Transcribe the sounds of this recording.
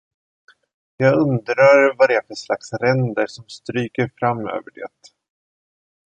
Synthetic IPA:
jɑːɡɵnd̪ɾaɾvad̪ɛæfəʂlaksɾɛnd̪əʂɔmst̪ɾyːkəɾfɾamːø̰ːvəɖḛːt̪

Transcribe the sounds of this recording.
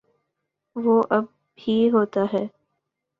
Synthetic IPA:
ʋoːʔɐb̚ | hiɦoːt̪aɦɛː

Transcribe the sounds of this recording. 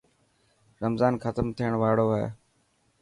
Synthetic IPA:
ɾəmzaːnxət̪əmt̪ʰiːəɳ̃ʋaːɽoːɦḛː

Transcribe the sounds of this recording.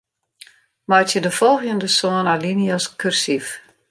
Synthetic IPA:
majtjədəfɔlˠxjəndəsoənaliniaskʰyrsif

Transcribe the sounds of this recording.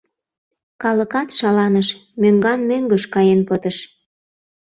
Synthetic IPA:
kɑləkɑt̪ʃɑlɑnəʃmøŋɡɑnmøŋɡəʃkɑjenpət̪əʃ

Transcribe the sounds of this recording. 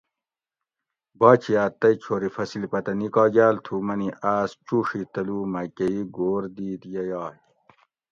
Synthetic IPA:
baːt͡ɕʰijaːt̪ɐit͡ɕʰoːɾifɐsilipɐt̪ɐnikaːɡaːlt̪ʰuːmɐniʔaːst͡ɕuːʂit̪ɐluːmɐkɐiɡoːɾd̪iːt̪jɐjɑː

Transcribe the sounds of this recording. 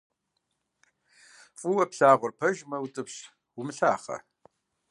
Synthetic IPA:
fʼuwɐpɬaːʁʷʊrpʰɐʒmɐwtʼɨpɬ | wumɨɬaːχɐ̰

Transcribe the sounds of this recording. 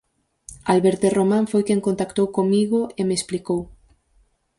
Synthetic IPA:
alβeɾt̪eromãɱfojkeŋkont̪akt̪owkoŋmiɣoemesplikow

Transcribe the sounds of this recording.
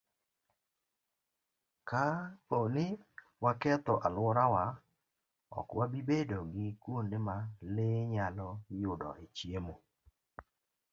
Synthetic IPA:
kaonɪ | wakɛt̪ɔʔalwɔɾawa | ɔ̰kwabibedoɡɪkwondemaleɲalɔjʊdɔ̰ʔet͡ʃjemo

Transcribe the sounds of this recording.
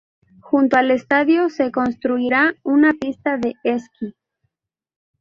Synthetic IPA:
xunt̪oale̞st̪aðjose̞ko̞nst̪ɾuiɾaunapist̪aðe̞eski

